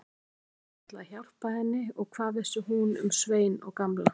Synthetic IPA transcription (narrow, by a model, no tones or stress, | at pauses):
at̪laçawr̥pahɛnːɪɔɣkʰvaːðvɪsʏɦunʏ̰msveːjnɔɣkamla